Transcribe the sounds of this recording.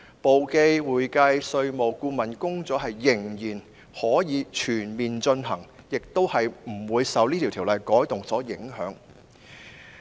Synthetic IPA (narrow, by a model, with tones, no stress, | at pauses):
po˨wke˧jwuː˨jkɐ˧jsɵ˧ɥmo˨˩wkuː˧mɐ˨˩nkʊ˥ŋt͡sɔː˨˥ɦɐ˨jːɪ˨˩ŋjiː˨˩n | hɔː˨˥jiː˨˧t͡ʃʰyː˨˩nmiː˨nt͡ʃɵ˧nɦɐ˨˩ŋ | jɪ˨k̚t̪o˥whɐ˨jm̩˨˩wuː˨˧jsɐ˨˧wliː˥t̪ʰi˨˩wt̪ʰi˨˩wlɐ˨˩jkɔː˨˥jt̪ʊ˨ŋsɔː˨˥jɪ˨˥ŋɦœː˨˥ŋ